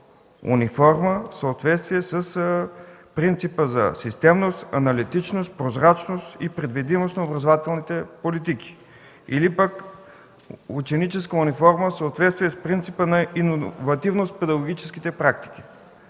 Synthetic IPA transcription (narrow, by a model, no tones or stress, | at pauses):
ṵnʲifɔɾməfsəːt̪vɛt̪st̪viɛsəs | pɾint̪sipəzɐ̰sist̪ɛmnost̪ɐ̰nɐlit̪it͡ʃnost̪̚pɾozɾat͡ʃnost̪ipɾɛd̪vid̪imosnɐobɾɐzovat̪ɛlˠnit̪ɛpolit̪iki̥ | ilipək | ut͡ʃɛnit͡ʃɛskəunifɔɾməfsəot̪vɛt̪st̪viɛspɾint̪sipənɐinovɐt̪ivnost̪pɛd̪ɐɡoɡʲit͡ʃɛ̥skit̪ɛpɾak̚t̪i̥k̟i̥